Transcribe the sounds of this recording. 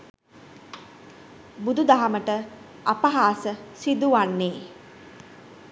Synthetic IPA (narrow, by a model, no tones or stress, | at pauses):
bud̪ud̪aɦaməʈə | apaɦaːsəsid̪uʋanːeː